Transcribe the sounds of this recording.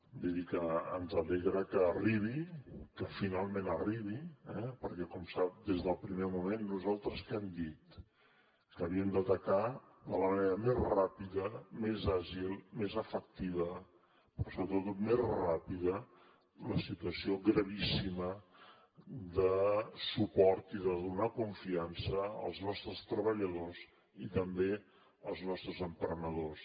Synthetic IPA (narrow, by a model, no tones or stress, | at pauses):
d̪iðikəə̰nzəleɣɾəkəːriβ̞ikəfinalˠmẽnəriβ̞iɛpəɾkɛkɔmsap̚d̪ezðəlˠpɾimemumenːuzalˠt̪ɾəskɛmd̪it̪ | kəβiəmd̪ət̪əka | d̪ələməneɾəmezrapiðəmezaʒilˠmezəfək̚t̪iβə | pəsuɾət̪ət̪ot̪mezrapiðə | ləsit̪uəsioɣɾəβisimə | d̪əsupɔɾt̪iðəðunakuɱfiansəə̰lˠznɔst̪ɾəst̪ɾəβəʎəðoz | it̪əmbe | əlˠznɔst̪ɾəzəmpɾənəðos